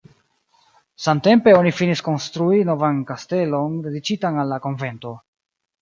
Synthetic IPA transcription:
samte̞mpe̞o̞nifinisko̞nstɾuino̞vankaste̞lo̞nde̞dit͡ʃitanalːako̞nve̞nto̞

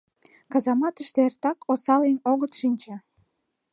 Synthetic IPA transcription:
kɑzɑmɑt̪əʃt̪eert̪ɑkosɑlenoɣət̪ʃinʲt͡ɕĕ

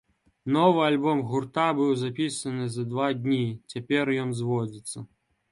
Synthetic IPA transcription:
nɔvɨalʲbɔmɣurt̪abɨwzapʲisɐnɨzɐd̪vad̪ʲnʲit͡sʲapʲɛrjɔnzvɔd͡zʲit̪sːɐ

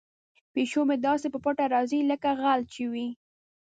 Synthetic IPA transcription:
peʃomed̪ɑsepəpʊʈaɾɑziləkaɣalt͡ʃewi

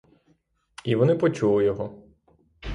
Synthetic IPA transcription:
iʋɔnɪpɔt͡ʃulˠɪjɔɦɔ

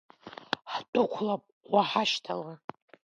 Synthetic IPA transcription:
ħtʼʊkʷʰlapʼ | waħaʃtʰala

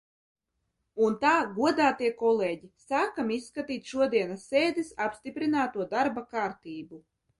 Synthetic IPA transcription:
unt̪aːɡuɔd̪aːt̪iɛkɔlˠeːɟisaːkamisːkat̪iːt̪ʃuɔd̪iɛnasːeːd̪isapsʲt̪ipɾinaːt̪uɔd̪aɾbakaːɾt̪iːbu

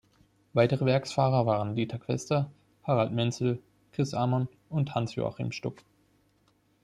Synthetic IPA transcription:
vaɪtəʁəvɛɐksfaːʁɐvaːʁəndiːtʰakʰv̥ɛ̰stɐ | haʁaltmɛnsl̩ | kʁ̥ɪsʔaːman | ʊnthansjo̰ːa̰χḭːmʃtʊk

